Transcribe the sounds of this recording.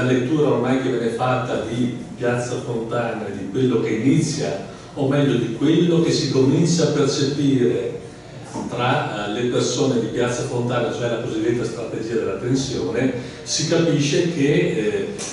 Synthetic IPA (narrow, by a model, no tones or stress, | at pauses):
alet̪ːuːɾaormajk̟evːjɛːnefat̪ːad̪ipjat̪sːafont̪aːnaed̪ikwelːok̟einit̪sːja | omɛʎːod̪ikwelːok̟esikomint͡ʃaːpːert͡ʃepiːɾe | t̪ɾalepersoːned̪ipjat̪sːafont̪aːnat͡ʃoɛlakozid̪ːet̪ːast̪ɾat̪ed͡ʒiːad̪elːat̪ensjoːne | sikapiʃːek̟e